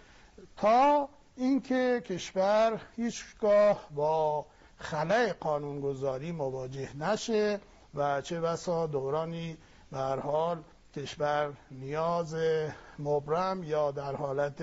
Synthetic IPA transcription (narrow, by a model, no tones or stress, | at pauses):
t̪ʰɒː | inkʰekʰe̞ʃvæɾhiːt͡ʃɡɒːhbɒː | xælæeɡɒːnuːnɡozɒːɾiːmovɒːd͡ʒe̞hnæʃe | væt͡ʃʰebæsɒːd̪oɾɒːniː | behæɾhɒːl | cʰe̞ʃvæɾnijɒːzemobɾæmjɒːd̪æɾhɒːlæt̪ʰ